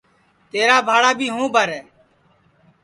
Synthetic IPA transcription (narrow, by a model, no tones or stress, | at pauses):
t̪eːɾaːbʱaːɽaːbʱiːɦũːbʱəɾɛː